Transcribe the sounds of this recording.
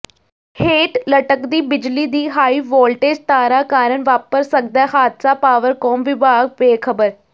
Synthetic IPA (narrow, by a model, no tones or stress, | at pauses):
heːʈləʈəkd̪iːbɪd͡ʒliːd̪iːɦaːiːʋɔːlʈeːd͡ʒt̪aːɾaːkaːɾəɳʋaːpəɾsək̚d̪aːhaːd̪saːpaːʋəɾkɔːmʋɪbʱaːɡ̚ʋeːkʰəbəɾ